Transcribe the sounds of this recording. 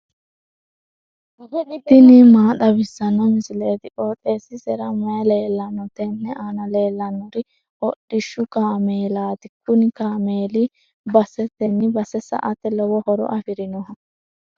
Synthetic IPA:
d̪ɪnɪmaːt̪ʼɐbɪsːɐnːɔmɪsɪleːt̪ɪʔʼoːt̪ʼeːsɪsɛɾɐmɐjɐle̞ːlːɐnːɔt̪ɛnːɛʔaːnɐle̞ːlːɐnːɔɾɪ | ɔɗɪʃːʊkaːmeːlaːt̪ɪkːʊnɪkaːmeːlɪ | bɐsɛt̪ɛnːɪbɐsɛsɐ̰ʔɐt̪ːɛlɔwɔhɔɾɔ̰ʔɐfɪɾɪnɔɦɐ

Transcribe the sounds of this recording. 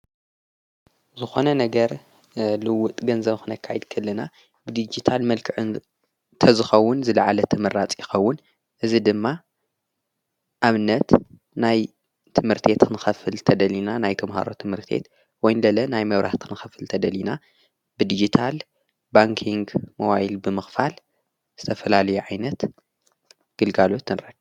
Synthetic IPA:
zɨxo̞nɐnɐɡɐɾ | lɨwʊt̪ʼɡɐnzɐβxɨnɐkʰːajɪd̪kʰɨlːɨna | bɨd̪id͡ʒit̪ʰalmɐlkʰɨʕɨn | t̪ʰɐzɨxɐwːʊnzɨlɐʕalɐt̪ʰɨmɨɾːat͡sʼjɪxɐwːʊn | ʔɨzid̪ɨmːa | ʔaβɨnːɐt̪ | naj | t̪ʰɨmhɨɾt̪ʰe̞t̪kʰɨnɨxɐfɨlt̪ʰɐd̪ɐlinanajt̪ʰɐmha̰ɾo̞̰t̪ʰɨmhɨɾt̪ʰe̞̰t̪ | wɔjnlɐlɐnajmɐβɾʔaħt̪kʰɨnɨxɐfɨlt̪ʰɐd̪ɐlina | bɨd̪id͡ʒit̪ʰal | baŋkʰiŋɡmoβajilbɨmɨxfal | z̥ɨt̪ʰɐfɐlalɐjuʕajnɐt̪ | ɡ̥ɨlɡalo̞t̪ːɨnɾɐ

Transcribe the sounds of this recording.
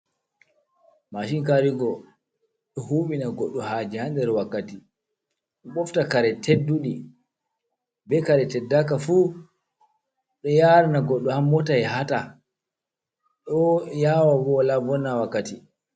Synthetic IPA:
maʃiŋkaɾiɡɔ | ɗɔhuːɓinaɡɔɗːɔhaːd͡ʒihandɛɾwakːati | ɗɔɓɔftakaɾɛtʰedːuɗi | bɛkaɾɛtɛdːakafu | ɗɔjaːɾnaɡɔɗːɔhamːɔtajɛɦata | ɗɔjaːwawɔlavɔnːawakːati

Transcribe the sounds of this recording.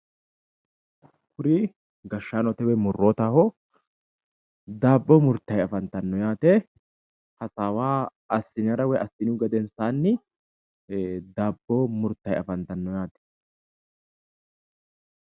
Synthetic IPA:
kʰʊɾɪ | ɡɐʃːaːnɔt̪ɛwɛmʊrːoːt̪ahɔ | d̪aːbːɔmʊɾt̪ːɐjɐfɐnt̪ɐnːɔjaːt̪ɛ | hɐsaːwaː | ɐsːɪnɐɾɐwɛʔɐsːɪnuɡɐd̪ɛnsaːnːɪ | d̪aːbːɔmʊɾt̪ːɐjɐ̰fɐnt̪ɐnːɔjaːt̪ɛ̥

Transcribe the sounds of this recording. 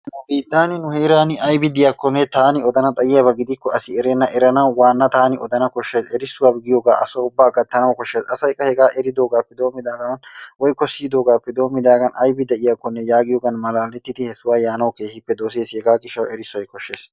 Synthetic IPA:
nɐbiːt̪ːaːnɪnʊheːɾaːnɪɐjbɪd̪ɪjakːɔnːɛt̪aːnɪɔd̪ɐnɐt̪ʼɐjɪjabɐɡɪd̪ɪkːɔɐsɪɛɾenːɐʔɛɾɐnɐwwaːnːɐt̪aːnɪʔɔd̪ɐnɐkɔʃːeːsɛɾɪsːʊwaːbɡɪjoːɡaːʔɐ̰sɔʊbːaːɡɐt̪ːɐnɐwkɔʃːeːsɐsɐjkʼːɐhɛɡaːʔɛɾɪd̪o̞ːɡaːpːɛd̪o̞ːmːɪd̪aːɡɐnwɔjkːɔsiːd̪o̞ːɡaːpːɛd̪o̞ːmːɪd̪aːɡɐnʔɐjbɪd̪ɛʔɪjakːɔnːɛjaːɡɪjoːɡɐnmɐlaːlːɛt̪ːɪt̪ɪhɛsʊwaːjaːnɐwkeːhɪpːɛd̪oːseːshɛɡaːɡɪʃːɐwɛɾɪsːʊɔjkɔʃːeːs

